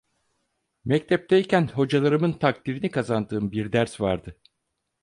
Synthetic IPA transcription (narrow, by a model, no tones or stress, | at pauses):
mɛc̚t̪ʰɛp̚t̪ʰejcʰænɦo̞d͡ʒalˠaɾɯmɯnt̪ʰak̚t̪iɾinikʰazand̪ɯːmbiɾd̪æɾsvaɾd̪ɯ